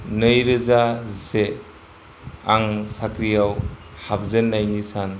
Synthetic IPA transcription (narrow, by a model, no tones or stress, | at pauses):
nɯjɾɯzase | aŋsakʰɾijaw | hap̚zenːajnisan